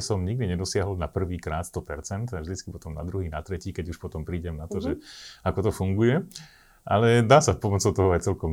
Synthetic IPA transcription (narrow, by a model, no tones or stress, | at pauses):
sɔmɲiɡ̚d̪iɲɛd̪ɔsɪaɦɔlnapr̩ʋiːkɾaːt̪st̪ɔpɛɾt͡sɛnt̪avʒd̪it͡skipɔt̪ɔmna̰d̪ɾuɦiːnat̪ɾɛciːkɛɟuʃpɔt̪ɔmpɾiːɟɛmnat̪ɔʒɛakɔt̪ɔfuŋɡujɛ | ʔa̰lɛd̪aːsapɔmɔt͡sɔʊt̪ɔɦɔajt͡sɛlkɔm